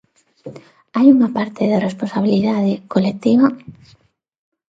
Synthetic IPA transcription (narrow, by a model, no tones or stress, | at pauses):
ajuŋapaɾt̪ɪðaresponsaβ̞iliðaðekolek̚t̪iβa